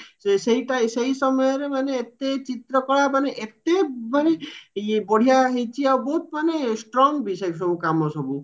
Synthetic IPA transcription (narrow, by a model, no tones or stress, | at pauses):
seseiʈasejsɔmɔjɔɾemaneːt̪et͡ʃit̪ɾɔkɔɭamaneʔet̪emaneboɽ̤ʱijaɦejt͡ʃʰiawbɔɦut̪manesʈɾɔŋɡbisɔjks̬ɔbukamɔsɔbu